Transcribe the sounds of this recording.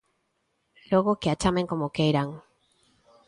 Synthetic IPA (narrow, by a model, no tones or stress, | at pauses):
loɣokeat͡ʃameŋkomokejɾaŋ